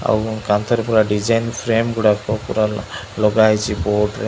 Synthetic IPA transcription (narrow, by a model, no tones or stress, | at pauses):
a̰wkant̪ʰɔɾepɔɾaɖid͡ʒajnpʰɾemɡuɽapɔpɔɾalɔɡajt͡ʃʰibɔʈɾe